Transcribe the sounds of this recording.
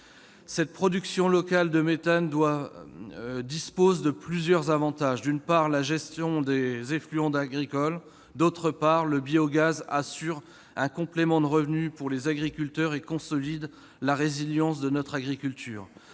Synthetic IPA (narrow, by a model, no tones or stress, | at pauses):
sɛt̪̚pχɔd̪yksjɔ̃lɔkald̪əmet̪and̪wa | d̪ispozed̪əplyzjœʁzavɑ̃t̪aʒd̪ynpaʁlaʒɛst̪jɔ̃d̪ezɛ̃flyɑ̃d̪aɡʁikɔl | d̪ot̪χəpaʁləbioɡazasyʁ | ɛ̃kɔ̃plemɑ̃d̪əʁəvnypuʁlezaɡʁikʲylt̪œʁekɔ̃sɔlid̪ | laʁeziljɑ̃s̬d̪ənɔt̪χaɡʁikʲylt̪ʰyːʁ